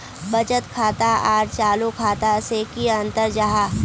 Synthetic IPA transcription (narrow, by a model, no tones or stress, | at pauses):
bɐd͡ʒət̪kʰaːt̪aaːɾt͡ʃaːlukʰaːt̪asekiɐ̃nt̪əɾd͡ʒaɦaː